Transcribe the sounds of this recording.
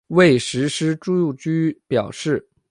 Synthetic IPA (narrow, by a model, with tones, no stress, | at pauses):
we˥˩ɪʂɻ̩˧˥ʂɻ̩˥ʈ͡ʂu˥˧ju˥˩t͡ɕy˥pjɑ˨˩ʊʂɻ̩˥˩